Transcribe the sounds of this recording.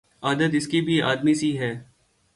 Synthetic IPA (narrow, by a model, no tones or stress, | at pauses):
aːd̪ət̪̬ɪskibʱia̰ːd̪misiɦɛː